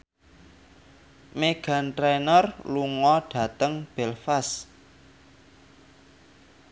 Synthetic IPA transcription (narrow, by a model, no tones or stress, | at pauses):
meɡ̥a̤nʈɾenərluŋɔɖ̥ä̤t̪əŋb̥ɛlfas